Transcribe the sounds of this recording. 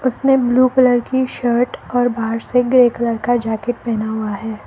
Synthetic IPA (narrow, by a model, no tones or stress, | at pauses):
ʊsnebluːkələɾkiʃəːɾʈɔːɾbʱaːɾseɡɾeːkələɾkad͡ʒaːkɪʈ̚pɛɦnaɦuaɦɛː